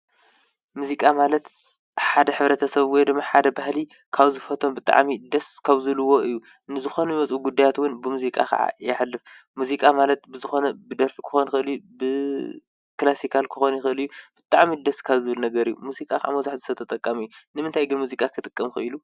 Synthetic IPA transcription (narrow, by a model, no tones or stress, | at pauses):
muzikʼamalɐt̪ | ħad̪ɐħɨβɾɐt̪ʰɐsɐβwɔjd̪ɨmːaħad̪ɐbahli | kʰaβzɨfɐt̪ʰo̞mbɨt̪ʼa̰ʕmid̪ɐskʰaβzɨlɨwːoʔɨjːu | nɨzɨxo̞nɐjimɐt͡sʼʔuɡud̪ːajat̪wʊnbɨmuzikʼa̰kɐ̰ʕa̰jaħalːɨf | muzikʼamalɐt̪bɨzɨxo̞nɐbɨd̪ɐɾfi̥kʰɨ̥xonxɨʔɨljubɨ | klasikʰalkʰɨ̥xonjɪxɨʔɨlɨjːub̥ɨt̪ʼaʕmid̪ɐskʰaβzɨβɨlnɐɡɐɾijːumuzikʼaxɐʕa̰mɐwzaħt̪i̥sɐt̪ʰɐt̪ʼɐkʼːɐmijːunɨmɨnt̪ʰajɡɨnmuzikʼakʰɨt̪ʼɨkʼːɨmxɨʔɨlu